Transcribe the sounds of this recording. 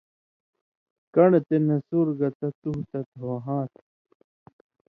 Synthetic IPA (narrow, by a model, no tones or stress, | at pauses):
kɐɳt̪enɐsuɾɡɐt̪ɐt͡s̪uɦt̪ɐt̪wɐɦãːt̪